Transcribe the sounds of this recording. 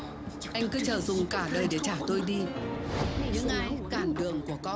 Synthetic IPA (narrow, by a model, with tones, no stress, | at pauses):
ʔa˧jŋ̟kɨ˨˦t͡ɕəː˨˩zʊ˨˩ŋ͡mkaː˧˩ɗəː˧˩jɗe˧˩t͡ɕaː˧˩t̪o˧jɗi˧ | ɲɨ̰˧˥ŋʔaː˨˦jkaː˧˩nɗɨ˨˩əŋku˧˩əkɔ˧